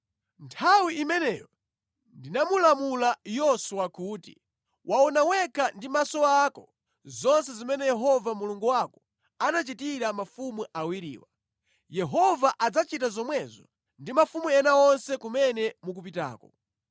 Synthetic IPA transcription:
ntʰawiimɛnɛːjɔ | ndinamulamulajɔsuwakuːtḭ | wʔaɔnawɛkʰandimasɔakɔ | zɔnsɛzimɛnɛjɛɦɔvamuluŋɡuwakɔ | anat͡ʃitiɾamafumuʔawiɾḭːwa | jɛɦɔvaʔad͡zat͡ʃitazɔmwɛzɔ̰ | ndimafumuɛnaɔnsɛkumɛnɛmuk̬upita̰ːkɔ

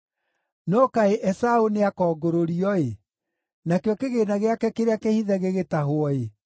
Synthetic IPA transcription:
nɔkaeʔɛsaoneakɔːɡoɾoɾiɔe | nakeɔkeɣeːnaɣeakɛkeɾeakehiðɛɣeɣetaɦoɔe

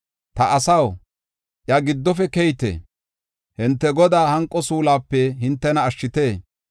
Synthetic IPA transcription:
t̪ɐʔɐsɐw | ʔjɐɡɪd̪ːɔfɛkɛjt̪ḛː | hɪnt̪ːɛɡɔd̪aːhɐŋkʼːɔsuːlaːpːɛɦɪnt̪ːɛnɐːʃːɪt̪eː

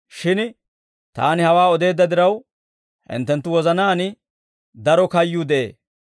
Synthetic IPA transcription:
ʃɪn | t̪a̰ːnɪhɐwaːɔd̪e̞ːd̪ːɐd̪ɪɾɐw | hɪ̰nt̪ːɛnt̪ːʊwɔzɐnaːnɪ | d̪ɐɾɔkɐjːʊd̪ɛḛː

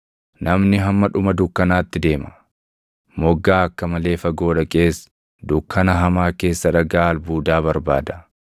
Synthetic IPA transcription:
nɐmnɪɦɐmːɐᶑʊmɐd̪ʊkːɐnaːt̪ːɪd̪e̞ːmɐ̥ | mɔɡːaːɐkːɐmɐle̞ːfɐɡo̞ːᶑɐkʼe̞ːs | d̪ʊkːɐnɐɦɐmaːke̞ːsːɐᶑɐɡaːlbuːd̪aːβɐɾba̰ːd̪ɐ̥

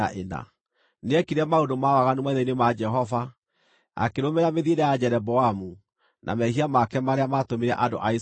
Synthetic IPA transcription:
aʔena̰ | neɛkiɾɛmaondomawaɣanumaiðɛinemad͡ʒɛɦɔva | a̰keɾomeɾameðiedɛjad͡ʒɛɾɛbɔamu | nʔa̰mɛhiamakɛmaɾeamatomiɾɛʔado̰ʔai

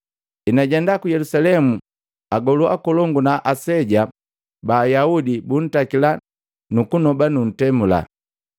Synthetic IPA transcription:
inaɟɛndakujɛlusalɛmu | aɡɔlua̰kɔlɔŋɡunaʔasɛɟa | baːjaudibun̩takila | nukunɔbanun̩tɛmula̰

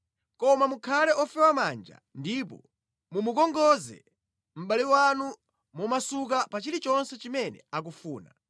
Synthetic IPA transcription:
kɔmamukʰalɛʔɔfɛwama̰nd͡ʒa̰ndipɔ | mumukɔŋɡɔzɛ̰ | m̩ɓaliwanu | mumasuk̬apat͡ʃiɾit͡ʃɔnsɛt͡ʃimɛnɛ̰ak̬ufuːna̰

